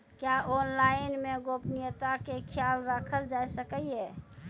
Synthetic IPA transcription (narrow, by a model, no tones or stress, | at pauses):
kjaʔɔnlaɪnmeɡopnijət̪akekʰjalɾakʰəld͡ʒaesəkəe